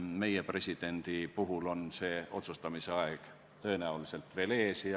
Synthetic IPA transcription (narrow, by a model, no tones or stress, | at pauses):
me̞jepre̞sʲid̪̥e̞nd̪̥ipuɦulo̞nse̞ːo̞̰t̪sust̪ɑmiseɑeɡ̥ | t̪ø̞e̞næulise̞lt̪ˑve̞le̞ːsi